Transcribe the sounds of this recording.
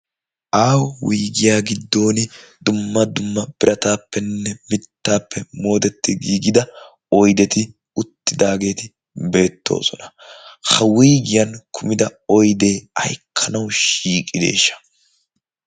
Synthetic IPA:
ʔaːwwiːɡɪjaːɡɪd̪ːo̞ːnɪd̪ʊmːɐd̪ʊmːɐb̥ɪɾʔɐt̪aːpːɛnːɛmɪt̪ːaːpːɛmo̞ːt̪ɛt̪ːɪɡiːɡɪd̪ɐ | ɔjd̪ɛt̪ɪ | ʊt̪ːɪd̪aːɡe̞ːt̪ɪ | be̞ːt̪ːo̞̰ːsɔnɐ̥hɐwiːɡɪjɐnkʰʊmɪd̪ɐɔjd̪e̞ːɐ̰jkʰːɐnɐwʃiːkʼːɪd̪e̞̰ːʃːɐ̥

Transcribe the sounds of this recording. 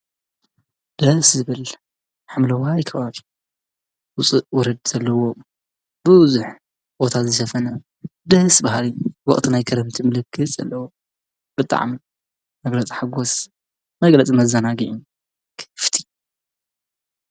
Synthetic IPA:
d̪̥ɐszɨβɨl | ħamlɐwaːjkʰːɐβaβi | wʊt͡sʼuʔwɔɾɐd̪z̥ɐlːɐwo̞ | b̥ɨwzuħ | bo̞t̪ʰazɨʃɐfɐnɐ | d̪ɐsbahalɨwɔ̰χʼt̪ʰinajkʰɐɾɐmt̪ʰimɨlɨkʰːɨt͡sʼɐ̰lːɐwo | b̥ɨt̪ʼa̰ʕmi | mɐɡlɐt͡sʼiħaɡos | mɐɡlɐt͡sʼimɐzanaɡiʕi | kʰɨ̥ft̪ʰi

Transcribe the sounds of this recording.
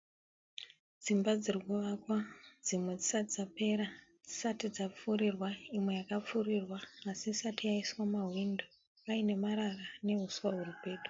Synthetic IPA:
d͡zimbad͡zirikuʋakwad͡zimwe̞d͡zisad͡zape̞ːɾa | d͡zisatid͡zap͡fuɾirwaimwe̞jakap͡furirwaːsiːsatijaiswamaɦwindo | aine̞maɾarane̞ɦuswaɦurupe̞ːto̥

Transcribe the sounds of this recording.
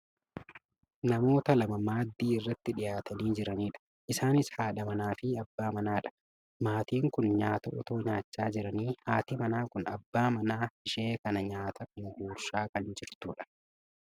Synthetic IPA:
nɐmo̞ːt̪ɐlɐmɐmaːd̪ːiːɪrːɐt̪ːɪᶑɪjaːt̪ɐniːd͡ʒɪɾɐniːᶑɐ̥ | ʔɪsaːnɪshaːᶑɐmɐnaːfɪɐbːaːmɐnaːᶑɐ̥ | maːt̪iːŋkʊnɲaːt̪ɐʔɔt̪o̞ːɲaːt͡ʃːaːd͡ʒɪɾɐniːhaːt̪ɪmɐnaːkʊnɐbːaːmɐnaːɪʃeːkɐnɐɲaːt̪ʰɐʔɪŋɡuːɾʃaːkɐnd͡ʒɪɾt̪uːᶑɐ̥

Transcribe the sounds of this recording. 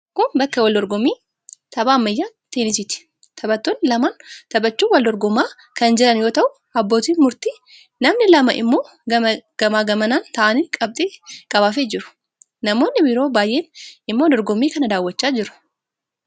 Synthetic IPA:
kʊnbɐkːɐwɐld̪ɔɾɡɔmːiː | t̪ɐbaːmːɐjːaːt̪enɪsɪt̪ɪ̥ | t̪ʰɐbɐt̪ːoːnːɪlɐmaːnt̪ɐbɐt͡ʃːuːwɐld̪ɔɾɡɔmːaː | kɐnd͡ʒɛlɐnjo̞ːt̪ɐʔʊ | ɐbːoːt̪iːnmʊɾt̪iː | nɐmnɪlɐmɐʔɪ̰mːo̞ː | ɐɡ̥ɐmaːɡɐmɐnaːnt̪ɐːʔɐniːkʼɐb̚t̪ʼiːkʼɐβaːfeːd͡ʒɪɾʊ̥ | nɐmo̞ːnːɪbiːɾo̞ːbaːjʔe̞ːnɪmːoːd̪ɔɾɡɔmːiːkɐnɐd̪aːwːɐt͡ʃːaːd͡ʒɪɾʊ̥

